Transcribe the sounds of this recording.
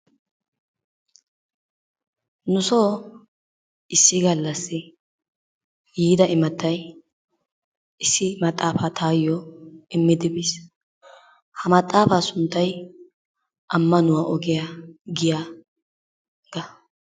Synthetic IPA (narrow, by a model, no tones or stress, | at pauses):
nʊsoː | ɪsːɪɡɐlːɐsːɪ | jiːd̪ɐʔɪmɐt̪ːɐj | ɪsːɪmɐt̪ʼːaːfaːt̪ʰaːjːɔɪmːɪd̪ɪbis | hɐmɐt̪ʼːaːfaːsʊnt̪ːɐj | ʔɐmːɐnʊwaːʔɔɡɪjaɡɪja | ɡ̥ɐ